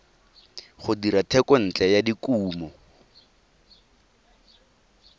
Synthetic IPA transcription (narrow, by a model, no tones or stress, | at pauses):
χʊdiɾatʰɛkɔn̩t͡ɬɛjadikuːmɔ